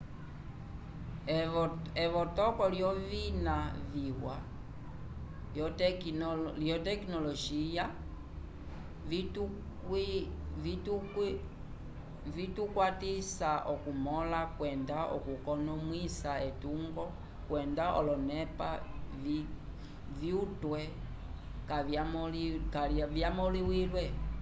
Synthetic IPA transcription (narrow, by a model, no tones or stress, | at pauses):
ɛβɔtɔkɔljɔvinaviwa | j | ljɔtɛkinɔlɔʃija | i | vitukwatisaʔɔkumɔlakwɛndaɔ̰kukɔnɔmwisaetuŋɡɔ | kwɛndaʔɔ̰lɔnɛpa̰v | viutwɛ | ka | kalvjamɔliwilwɛ